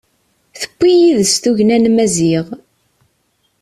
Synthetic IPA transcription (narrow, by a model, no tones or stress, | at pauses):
θə̥kʷːijiðəst̪uʝnænmæziʁ